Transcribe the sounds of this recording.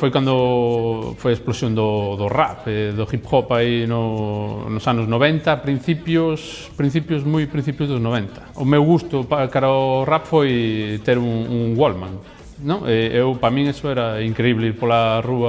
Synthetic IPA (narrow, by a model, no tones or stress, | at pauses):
fojkwand̪ʊ | fojesplosjõnd̪ʊðʊra̰peðʊχipxɔpainʊnʊsanʊznoβɛnt̪ɐpɾin̟θipjʊs | pɾĩn̟θipjʊzmujpɾĩn̟θipjʊzðʊznoβɛnt̪ɐ̥ʊmewɣust̪ʊpakaɾaʊrapfojt̪eɾuŋuŋwolmã̰ŋ | nõŋeewpɾamĩŋesʊɛɾɐiŋkɾeiβleiɾpolaruɐ